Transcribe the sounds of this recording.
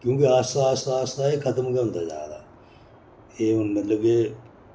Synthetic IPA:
kjõːkeaːsaːst̪aːst̪aːeːkʰət̪əmkɛʊ̃nd̪a̰ːd͡ʒa̰ːd̪a̰ː | eːɦʊnmət̪ləbeː

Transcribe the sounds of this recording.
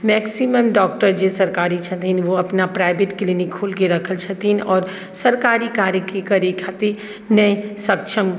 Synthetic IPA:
mɛːksiməmɖɔːk̚ʈəɾd͡ʒesɐɾkaːɾit͡ʃʰɐt̪ʰinʋoɐpnapɾaːɪbeʈklinikʰːoːlkeɾɐkʰəlt͡ʃʰɐt̪inɔːɾ | sɐɾkaːɾikaːɾjəkekɐɾekʰat̪e | nɐẽsɐkʃʰəm

